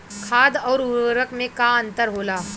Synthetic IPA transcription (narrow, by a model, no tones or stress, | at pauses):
kʰaːd̪ɔːɾʊɾəkmẽkaɐ̃nt̪əɾɦoːlaː